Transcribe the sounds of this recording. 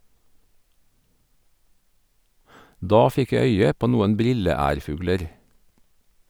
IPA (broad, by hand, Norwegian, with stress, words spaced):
ˈdɑː ˈfɪk ˈjæ ˈœʏə ˈpoː ˈnuːən ˈbɾɪləˌæːɾˌfʉːɡləɾ